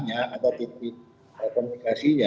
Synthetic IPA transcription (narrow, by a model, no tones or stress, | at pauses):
ɲaat̪awt̪ik̚nik̚ | əkɔmunikasiɲa